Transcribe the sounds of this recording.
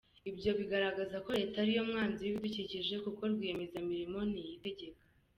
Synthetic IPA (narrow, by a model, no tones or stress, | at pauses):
ibjo̞βiɡaɾaɡazako̞ɾe̞ːtaɾijo̞mŋaːnziβiduciciʒe̞kuko̞ɾɡwiːjemezamiɾimo̞n̥ijite̞ɟe̞kḁ